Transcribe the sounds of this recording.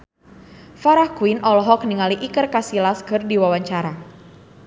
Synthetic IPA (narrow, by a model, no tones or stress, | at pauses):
faɾahkuwinɔlɔɦɔk̚niŋaliʔikərkasilaskɨrdiwawaɲt͡ʃaɾa